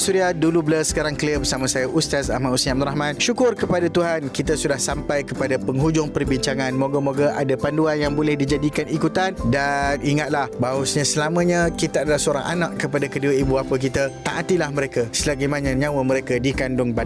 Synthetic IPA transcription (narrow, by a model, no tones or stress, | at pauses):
suɾiadulubləsə̥kaɾaŋkliəbərsamãsajaʔust̪asaɦmausiabd̪uɾaɦmãnʃukʊrkəpadat̪uɦankit̪asudahsampajkəpadapəŋɦud͡ʒʊŋpərbiɲt͡ʃaŋãnmoɡamoɡaʔa̰dapanduanjaŋbolɛhdid͡ʒadikanikut̪andaniŋat̪̚lahbaasɲãsəlamə̃ɲãkit̪aadalahsəoɾa̰ŋʔa̰naʔkəpadakəduaibuapək̬it̪at̪aʔːt̪ilahməɾekasəlaɡajmãnãɲãwəməɾekadikandʊŋpad